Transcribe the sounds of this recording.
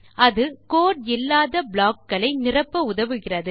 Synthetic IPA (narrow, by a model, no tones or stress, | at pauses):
ɐðɯkoːɽ̚ɪlːaːðɐbɭaːkːɐɭɐɪnɪrɐpːɐʊðɐʋɯɣɪrɐðɯ